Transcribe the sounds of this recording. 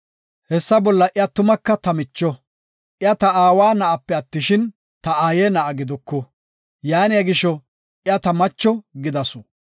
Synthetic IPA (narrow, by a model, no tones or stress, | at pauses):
hɛsːɐbɔlːɐʔɪɐt̪ʊmɐkːɐt̪ɐmɪt͡ʃːɔ | ʔɪɐt̪ɐaːwaːnɐʔɐpːɛɐt̪ːɪʃɪn | t̪ɐaːjenɐʔɐɡɪd̪ɔkːɔ | jaːnɪjɐɡɪʃɔ | ɪɐt̪ɐmɐt͡ʃːɔɡɪd̪ɐsʊ